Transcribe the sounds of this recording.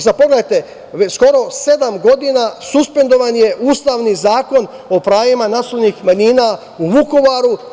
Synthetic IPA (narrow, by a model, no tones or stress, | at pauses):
zapo̞ɡleajt̪e | sko̞ɾo̞se̞d̪amɡo̞d̪inasuspe̞nd̪o̞ʋanje̞ʔuːst̪aːʋnizaːko̞n | o̞pɾaːjimanaslonixmaɲiːna | uʋuko̞ʋaɾu